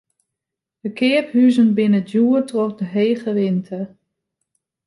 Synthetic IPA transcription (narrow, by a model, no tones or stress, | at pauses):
dəkɪəphyzənbɪnədjuːətrɔχdəɦeːɣəʋɪntʰə